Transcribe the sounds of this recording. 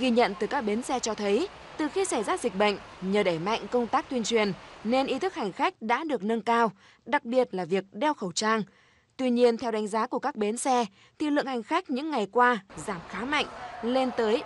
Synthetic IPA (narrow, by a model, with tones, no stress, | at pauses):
ɣi˧ɲə̰˧˨nt̪ɨ˨˩kaː˦˥k̚ɓe˨˦nsɛ˧t͡ɕɔ˧t̪ʰə˨˦j | t̪ɨ˨˩xi˧sa˧˩jzaː˦˧˩zi˨˩k̟̚ɓə̰˧˨jŋ̟ɲəː˨˩ɗə˧˩jma̰˧˨ŋ̟kə˧wŋ͡mt̪aː˦˥k̚t̪wi˧ənt͡ɕwi˨˩ənne˧nʔi˨˦t̪ʰɨ˦˥k̚ha˨˩jŋ̟xa˦˥jk̟̚ɗa̰ː˧˥ɗɨ˨˩ək̚nə˧nkaː˧w | ɗa˨˩k̚ɓi˨˩ət̚laː˨˩vi˨˩ək̚ɗɛ˧wxə˧˩wt͡ɕaː˧ŋ | t̪wi˧ɲi˧ənt̪ʰɛ˧wɗa˨˦jŋ̟zaː˨˦ku˧˩əkaː˦˥k̚ɓe˨˦nsɛ˧ | t̪ʰi˨˩lɨ̰˧˨əŋha˨˩jŋ̟xa˦˥jk̟̚ɲɨ̰˧˥ŋːa˨˩jkwaː˧zaː˧˩mxaː˨˦ma̰˧˨jŋ̟le˧nt̪əː˨˦j